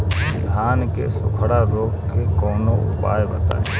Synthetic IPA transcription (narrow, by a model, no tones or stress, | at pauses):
ɪd̪ʱaːnkḛsʊkʰəɽaɾoːɡkekoːnoʊ̰pa̰ːjbət̪a̰ːe